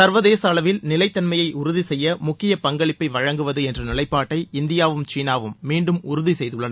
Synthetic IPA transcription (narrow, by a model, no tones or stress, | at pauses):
sɐɾʋɐðeːsɐːlɐʋɪlnɪlɐɪt̪ːɐnmɐjɐɪʔʊɾʊðisɛjːɐmʊkːɪjɐpɐŋɡɐɭɪpːɐɪʋɐɻɐŋɡɯʋɐðɯɛndrɯnɪlɐɪpːaːʈːɐɪɪnd̪ɪjaːʋɯmt͡ʃiːnaːʋɯmːiːɳɖɯmʊɾʊðisɛjðɯɭːɐnɐ